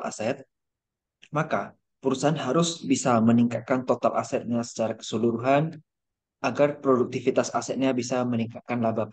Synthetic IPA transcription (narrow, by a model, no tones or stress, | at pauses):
la̰sɛt̪̚ | maka | puɾusaanɦaɾʊsbisaməniŋkat̪̚kant̪ot̪alʔa̰sɛt̪̚ɲasə̥t͡ʃaɾakə̥suluɾuɦan | ʔaɡarpɾoduk̚t̪ifit̪asasɛt̪̚ɲabisaməniŋkat̪̚kanlabap